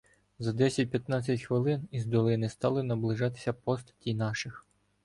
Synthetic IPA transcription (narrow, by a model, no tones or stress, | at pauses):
zɐd̪ɛsʲɐt̚ʲpʲjɐt̪nɑt͡sʲːɐtʲxʋɪlˠɪnizd̪ɔlˠɪnɪst̪ɑlˠɪnɐblˠɪʒɑt̪ɪ̥sʲɐpɔst̪ɐ̥tʲijnɑʃɪx